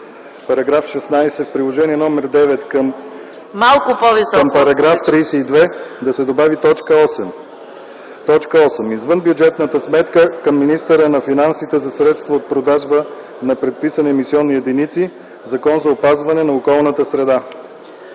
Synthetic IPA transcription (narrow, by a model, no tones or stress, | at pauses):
pɐɾɐɡɾafʃɛsnajsɛfpɾilˠoʒɛniɛnɔmɛɾd̪ɛvɛt̪kəm | malˠkʊpovisɔəmpɐɾɐɡɾaft̪ɾijsɛid̪vɛd̪ɐsɛd̪obavit̪ɔt͡ʃkəɔsm | t̪ɔt͡ʃkəɔsəmizvɤnbjud͡ʒɛt̪nət̪əsmɛt̪kəkəmːinist̪əɾənɐfinansit̪ɛzɐsɾɛt̪st̪vɐot̪̚pɾod̪aʒbə | nɐpɾɛt̪̚pisɐnɛɛmisiɔnːijɛd̪init̪si | zɐkɔnzɐopazvɐnɛnɐokɔlˠnət̪əsɾɛd̪a